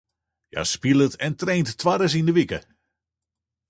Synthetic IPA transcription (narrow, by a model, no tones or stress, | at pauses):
ja̰spilˠətʰɛntrejnttʋaɾəs̬indəʋikə